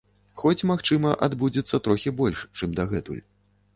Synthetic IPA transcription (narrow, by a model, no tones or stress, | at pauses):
xɔt͡sʲmaxt͡ʂɨmɐʔad̪bud͡zʲit̪sːɐt̪ɾɔxʲibɔlʲʂt͡ʂɨmd̪aɣɛt̪ṵlʲ